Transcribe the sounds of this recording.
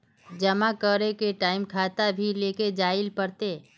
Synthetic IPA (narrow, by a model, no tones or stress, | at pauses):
d͡ʒɐmakəɾekeʈaːɪmkʰaːt̪abʱileːked͡ʒaːɪlpəɾt̪eː